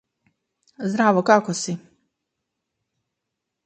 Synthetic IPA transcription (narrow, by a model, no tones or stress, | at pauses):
zd̪ɾaːʋokakosi